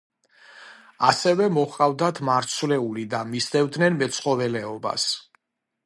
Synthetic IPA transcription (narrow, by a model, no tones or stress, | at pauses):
asɛvɛmɔχʼavd̪at̪ʰmaɾt̪sʰvlɛulid̪amisd̪ɛvd̪nɛnmɛt̪sʰχɔvɛlɛɔba̰s